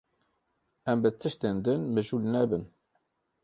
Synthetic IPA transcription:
æmbət̪ʰəʃt̪end̪ənmɨʒulnɛbən

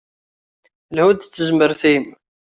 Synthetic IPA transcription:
lhud̪t͡sːəzməɾθim

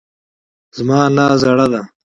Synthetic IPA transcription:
zmɑːnaːzɐɽad̪a

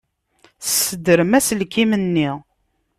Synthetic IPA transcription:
səd̪əɾəmæsəlkimənːi

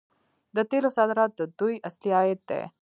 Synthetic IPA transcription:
d̪ɐt̪elosad̪ɾat̪d̪ujʔəsliaːjet̪ːɛ̰

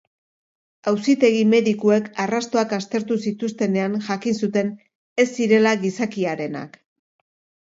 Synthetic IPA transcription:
awsit̪e̞ɣ̞ime̞ðikue̞karast̪o̞akast̪e̞ɾt̪usit̪ust̪e̞ne̞anʝakinsut̪e̞n | e̞sːiɾe̞laɣisakiaɾe̞na̰k

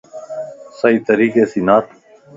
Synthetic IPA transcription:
sɐiːt̪əɾiːkeːsinaːt̪

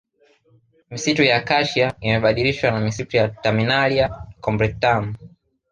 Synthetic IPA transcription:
misitujakaʃiaimɛɓaɗiɾiʃwanamisitujataminaliakɔmbɾɛk̚tam

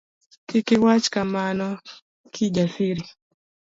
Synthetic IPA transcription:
kikiwat͡ʃkamanɔ | kʰid͡ʒasiɾi

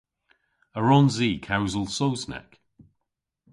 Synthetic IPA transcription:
əɹɔ̃nziːkʰawzəlˠsoʊznɛ̰k

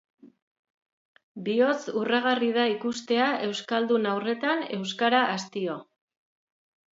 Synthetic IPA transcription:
bio̞t͡suraɣ̞arið̞aikust̪e̞aʔe̞wskald̪unawre̞t̪ane̞wskaɾaʔast̪io̞

